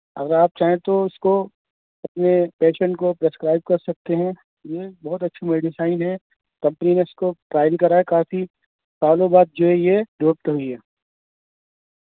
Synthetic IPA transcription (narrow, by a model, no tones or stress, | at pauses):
ɐ̰ɡəɾaːp̚t͡ʃaːɦẽt̪oɪsko | ɐpnepeːʃə̃ɳʈkopɾeskɾaːɪb̚kɐɾsɐk̚t̪eɦɛ̃ | jebɐɦʊt̪̬ɐtːʃʰameːɖɪsaːɪnɦɛ | kɐ̃mpənineɪskoʈɾaːɪlkɐɾaekaːfi | saːlobaːt̪̚d͡ʒoːɦɛjeɖoːp̚t̪ɦʊiɦɛː